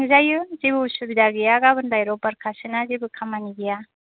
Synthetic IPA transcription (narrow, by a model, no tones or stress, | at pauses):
ŋzajɯzibɯsubidaɡɯjaɡabɯndajɾɔpaɾkʰasɯnazibɯkʰamaniɡija